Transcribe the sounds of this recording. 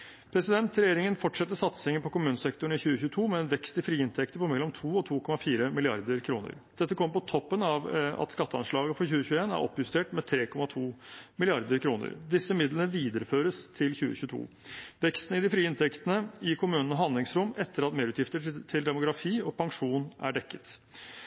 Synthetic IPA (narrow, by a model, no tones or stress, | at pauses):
pʰɾɛsɪd̪ɛnt̪ɾɛjeːɾɪŋənfɔʈʂɛt̪ːəʂɑt̪sə̥hɛŋːəpʰɔkʊmʉːnəsɛk̚t̪ʊɳ̩ɪçʉːəçʉːət̪ʰuːmɛɛnʋɛkst̪ɪfɾiːɪnt̪ʰɛkt̪əpɔmɛlːɔmt̪ʰuːɔt̪ʰuːkʰɔmɑfiːɾəmɪlɪɑ̰ɾd̪əɾkʰɾuːnə̰ɾd̪̥ɛt̪ːəkʰɔmːəɾpɔt̪ʰɔpːənɑʋɑ̰t̪skɑt̪ːəɑnʂɭɑːɡəfɔçʉːəçʉːəeːnæ̰ɾʔɔ̰pːjʉst̪eːʈmɛt̪ʰɾeːkʰɔmɑt̪ʰuːmɪlɪɑɾd̪əɾkʰɾuːnə̰ɾd̪ɪsːəmɪd̪lənəʋiːd̪əɾəføːɾəst̪ʰɪlçʉːə̰çʉːət̪ʰṵː | ʋɛkst̪n̩ɪd̪ɪfɾiːɪnt̪ʰɛkt̪ənəɪkʰʊmʉːnənəɦɑnd̪lɪŋsɾʊmɛt̪ʰːəɾɑt̪meːɾʉt̪jɪft̪ət̪ʰɪld̪ɛmʊɡɾɑfiːɔpʰɑŋʂuːnæ̰ɖɛkːə̥t̪